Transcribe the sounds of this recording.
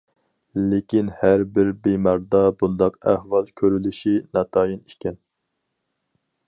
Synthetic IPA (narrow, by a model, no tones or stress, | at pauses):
lekʲinhæɾbɪɾbemɑɾd̪ɑbund̪ɑqæhvɑlˠkʲʰøɾylyʃinɑt̪ʰɑːjinikʲʰɛn